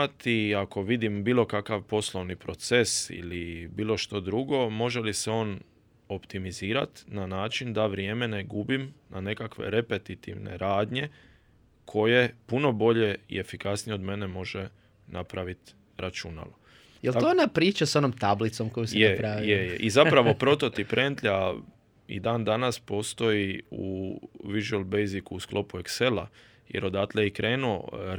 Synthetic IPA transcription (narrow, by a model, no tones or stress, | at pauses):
at̪iako̞ʋid̪imbiːlˠo̞kakaʋpo̞slˠo̞ʋnipɾo̞t̪se̞sḭlibiːlˠo̞ʃt̪o̞d̪ɾuɡo̞mo̞ʒe̞liseo̞ːn | opt̪imiziːɾa̰t̪nanaːt͡ʃind̪aʋɾjeːme̞ne̞ɡubimnʔane̞kakʋḛɾe̞pe̞t̪it̪ḭʋnḛɾaːd̪ɲe̞ | kʰo̞je̞puno̞bo̞ʎe̞ḭe̞fikasnijeo̞d̪me̞nemo̞ʒe | napɾaʋit̪ | ɾat͡ʃuna̰lo | jeloonapɾiːt͡ʃasonomt̪ablit̪somkojusjeapɾaijejeʔizapɾaʋo̞pɾo̞t̪o̞t̪ipɾʔent̪ʎa | ḭd̪aːnd̪anaspo̞ːst̪o̞iṵʋiʒuelˠbejzikuusklo̞puekse̞la | jeɾo̞d̪at̪leikɾe̞ːnuo̰